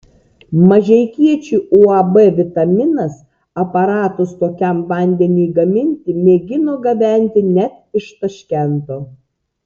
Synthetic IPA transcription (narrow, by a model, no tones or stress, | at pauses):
mɐʒʲɛɪkʲiɛt͡ʃʲuːʔuːɐbɛʋʲɪt̪ɐmʲɪnɐs | ɐpɐɾɑːt̪ʊst̪oːkʲɛmʋɐˑnʲd̪ʲɛnʲiːɡɐmʲɪnʲt̪ʲɪmʲeːɡʲɪnoːɡɐʋʲæˑnʲt̪ʲɪnʲæt̪̚ɪʃt̪ɐʃʲkʲɛnt̪oː